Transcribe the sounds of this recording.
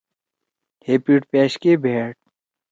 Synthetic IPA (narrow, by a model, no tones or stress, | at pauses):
heːpiːʈ̚peːɕkebʱeːʈ̚